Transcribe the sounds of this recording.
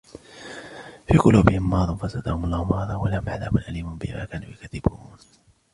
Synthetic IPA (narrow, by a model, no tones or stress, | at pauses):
fiːqʊluːbɪhɪmːɑːðˤɑnfasad̪ahʊmʊlˤːɑːhʊmɑːd̪ˤɑwalahʊmʕaðaːbʊnʔaliːmʊnbɪhma̰ːkaːnṵːjakaðɪbuːn